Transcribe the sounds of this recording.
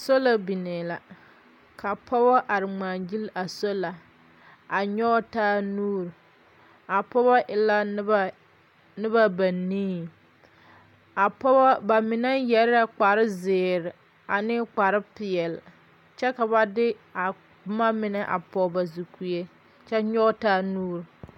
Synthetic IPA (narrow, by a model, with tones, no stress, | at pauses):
so˦la˨bi˨ne˨la˨ | kʰa˨pʰɔ˦bɔ˦ʔa˨ɾɪ˨ŋ͡maː˨d͡ʒi˦la˨so˦la˨ | a˨ɲɔ˦taː˦nuː˦ɾ | a˨pɔ˦βɔ˦ʔɪ˨la˦ | nɪ˦βa˦ba˨niː˦ | a˨pɔ˦bba˨mɪ˨nɛ˦jɛ˨ɾɪ˦a˦k͡pa˨ɾɪ˦zɪː˨ɾɪ˨ | a˨nɪ˦k͡pa˨ɾɪ˦pɪ˨ɛ˨l | t͡ʃɛ˦ka˨βa˦dɪ˦a˨˦ | ma˦mɪ˨nɛ˦ʔa̰˨pɔ˨˦ba˨zu˨ku˨e˦ | t͡ʃɛ˦ɲɔ˦taː˦nuː˦ɾ